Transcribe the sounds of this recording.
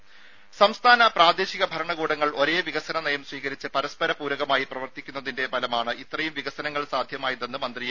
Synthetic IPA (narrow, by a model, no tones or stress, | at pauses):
sɐmst̪ʰaːnɐpraːd̪eːɕiɣɐbʱɐɾɐɳɐɣuːɽɐŋːɐɭo̞ɾe̞ːʋiɣɐsɐnɐnɐjɐmswiːɣɐɾit͡ɕːɨpɐɾɐspɐɾɐpuːɾɐɣɐmaːjiprɐʋɐrt̪ikʲːunːɐðinde̞bɐlɐmaːɳɨʔit̪rɐjumʋiɣɐsɐnɐŋːɐɭsaːd̪ʱjɐmaːjɐðenːɨmɐnd̪rij